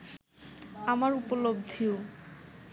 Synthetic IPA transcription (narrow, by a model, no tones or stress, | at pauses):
amaɾupolobd̪ʱio